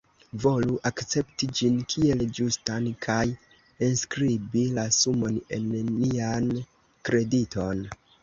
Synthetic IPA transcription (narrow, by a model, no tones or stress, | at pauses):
vo̞luʔakt͡se̞ptid͡ʒinkʰie̞ld͡ʒustankʰaj | enskɾibilasumo̞ne̞̰nnian | kɾe̞dito̞n